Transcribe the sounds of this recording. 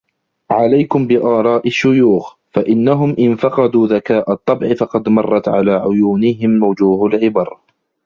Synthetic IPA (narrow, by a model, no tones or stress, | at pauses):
ʕalajkʊmbɪʔɑːɾˤɑːʔɪʃːʊjuːx | faʔɪnːaɦʊmʔɪnfɑqɑd̪uːðakaːʔat̪ˤːɑbʕɪfɑqɑd̪mɑrˤːɑt̪ʕalaːʕʊjuːnɪɦɪmːawd͡ʒuːhalʕɪbɑɾˤ